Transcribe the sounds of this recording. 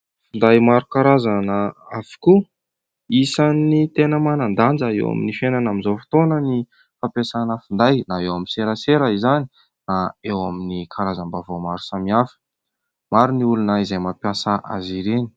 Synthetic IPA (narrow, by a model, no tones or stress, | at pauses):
fund̪ajmaɾukaɾazanəafi̥ku | isanit̪enəmanand̪and͡zəḛwa̰mḭnifenanamizofi̥t̪onəni | fapesanəfund̪ajnaewaminseɾəseɾəizani | naewaminikʰaɾazambavomaɾu̥samiafə̥ | maɾuniulunaizajmapjasəʔa̰ziɾeni̥